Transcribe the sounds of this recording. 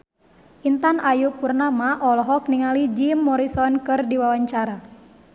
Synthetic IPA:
ʔint̪anʔajupːurnamaʔɔlɔɦɔk̚niŋalid͡ʒimːɔɾisɔnkɨrdiwawaɲt͡ʃaɾa

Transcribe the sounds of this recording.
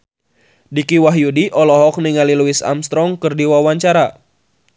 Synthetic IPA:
dikiwaɦjudiʔɔlɔɦɔk̚niŋaliluisa̰mst̪ɾɔŋkɨrdiwawaɲt͡ʃaɾa

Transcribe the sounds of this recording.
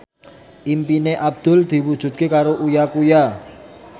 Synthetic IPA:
ʔimpineʔab̚d̪̥ʊ̤ld̪̥i̤wud̥ʒ̥ṳt̪̚kekaɾoʔujakuja

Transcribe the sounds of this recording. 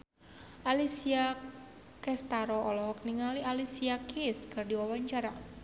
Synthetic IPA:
ʔalisia | kɛst̪aɾɔʔɔlɔhɔk̚niŋaliʔalisiakiskɨrdiwawaɲt͡ʃaɾa

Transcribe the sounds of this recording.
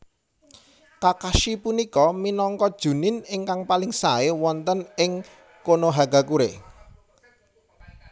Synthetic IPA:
kakaʃipunikɔminɔŋkɔd̥ʒ̥ṳnɪnɪŋkaŋpalɪŋsaewɔnt̪ənɪŋ | konoɦaɡa̤kuɾḛ

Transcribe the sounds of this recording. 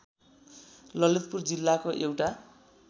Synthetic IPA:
lʌlit̪̚purd͡zilːakoʔewʈa

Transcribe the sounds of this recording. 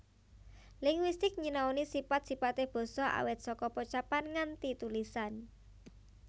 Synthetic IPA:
lɪŋwist̪ɪk̚ɲinaonisipat̪̚sipat̪ɪhb̥o̤sɔʔa̰wɪt̪̚sɔkɔpɔt͡ʃapanŋant̪it̪ulisan

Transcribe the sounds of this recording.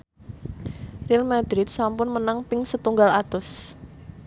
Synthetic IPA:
rilmad̪ɾɪt̪̚sampʊnmənaŋpɪŋsət̪uŋɡalat̪ʊs

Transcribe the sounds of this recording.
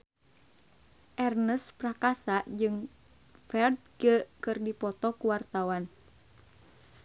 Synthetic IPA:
ʔɛrnəsprakasaʔd͡ʒɨŋ | fɛrt̪̚ɡəkɨrdipɔt̪ɔkuwart̪awan

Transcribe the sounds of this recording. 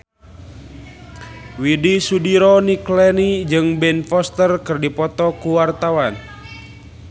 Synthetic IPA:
widisudiɾɔniklɛnid͡ʒɨŋbɛnfɔst̪ərkɨrdipɔt̪ɔkuwart̪awan

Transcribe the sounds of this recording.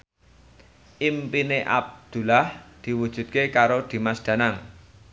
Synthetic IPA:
ʔimpineʔa̰b̚d̪̥ṳlahd̪̥i̤wud̥ʒ̥ṳt̪̚kekaɾod̪̥i̤masd̪̥ä̤naŋ

